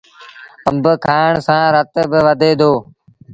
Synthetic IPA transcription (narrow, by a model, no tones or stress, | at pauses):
əmbəkʰaːɳsãːɾət̪bɪʋəd̪ʱeːd̪ʱoː